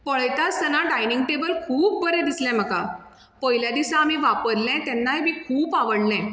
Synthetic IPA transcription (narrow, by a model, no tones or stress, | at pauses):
pəɭəjt̪at͡st̪ənaɖajniŋɡ̚ʈebəlkʰuːp̚bəɾɛ̃d̪islɛ̃m̤əka | pəɦiljad̪isãːmiʋapəɾlɛ̃t̪ɛnːajemikʰuːpaʋəɽlɛ̃